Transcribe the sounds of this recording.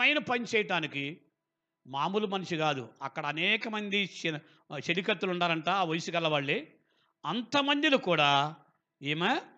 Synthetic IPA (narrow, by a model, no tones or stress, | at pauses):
ɐjnɐpɐnt͡ʃɛːjɐʈaːniki | maːmulumɐnɐʂiɡaːd̪ṵɐkːɐɽɐːnɛːkɐmɐnd̪i | ʃeɾikɐt̪ːuluɳɖaːɾɐɳʈaːʋɐjsukɐlːɐʋaːɭːe | ɐnt̪ɐmɐnd̪ilukuːɽaː | eːmaː